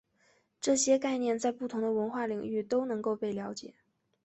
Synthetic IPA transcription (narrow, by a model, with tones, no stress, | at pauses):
ʈ͡ʂɤ˥˩ɕjɛ˥ka˥˧ɪnjɛ˥˧nt͡sa˥˧ɪpu˥˩t̪ʰʊ˧˥ŋd̪ə˧wə˧˥nxwa˥˩li˨˩ŋy˥˧t̪o˥ʊnɤ˧˥ŋko˥˧ʊpe˥˩ɪljɑ˧˥ʊt͡ɕjɛ̰˨˩˦